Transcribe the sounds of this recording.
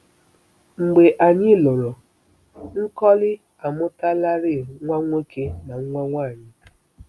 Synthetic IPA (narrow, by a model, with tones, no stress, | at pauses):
ŋ͡m̩˨ɡ͡be˨ʔa˨ɲɪ˦lo˨ɾo˨ | ŋ̩˦kɔ˦lɪ˦ | a˨mʊ˦ta˦la˦ɾɪ˦˨ŋʷa˦ŋʷe˦kʰe˦na˨ŋ̩˦ŋʷa˦ŋʷaː˦˨ɲɪ˦